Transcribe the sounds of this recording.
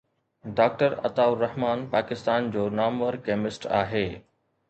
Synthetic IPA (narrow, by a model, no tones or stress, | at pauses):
ɖaːk̚ʈəɾɐ̰t̪aːʊɾɐɦmaːnpaːkɪst̪aːnd͡ʑoːnaːmʋəɾkeːmɪsʈa̰ːɦeː